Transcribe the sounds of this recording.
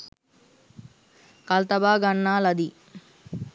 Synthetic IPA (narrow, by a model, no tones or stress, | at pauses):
kɐlt̪ɐbaːɡɐɳːaːlɐd̪i